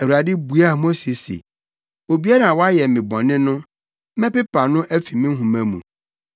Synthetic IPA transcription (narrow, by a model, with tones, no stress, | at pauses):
æ˨wu˨ɾa˨dɪ˦bu˨˦a˦˨mo˦se˨sḛ˨ | o˨bi˦a˦nã˨wɔ˦a˦jɛ˨mɪ̃˨bɔ̃˨nɪ̃˦nʊ̃˦ | mɛ̃˦pɪ˦pʰa˨nʊ̃˦ʔæ˦fi˨mɪ̃˦ɦũ˨mæ̃˦mṵ̃˨